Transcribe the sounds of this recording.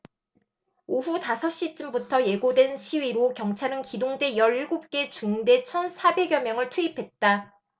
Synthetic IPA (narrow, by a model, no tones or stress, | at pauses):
oɦutasʰʌɕ͈it͡ɕ͈ɯmbutʰʌje̞ɡodwe̞nɕʰiɥiɾokjʌŋt͡ɕʰaɾɯnkidoŋde̞jʌɾiɭɡop̚k͈e̞t͡ɕuŋde̞t͡ɕʰʌnsʰabe̞ɡjʌmjʌŋɯɭtʰuipʰe̞t̚t͈a